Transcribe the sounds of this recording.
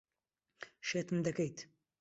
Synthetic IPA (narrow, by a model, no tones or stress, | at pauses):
ʃeːt̪ɨmd̪ɐkɐjt̪